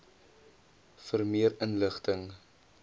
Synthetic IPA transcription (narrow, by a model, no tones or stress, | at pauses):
fərmiəɾənləχtəŋ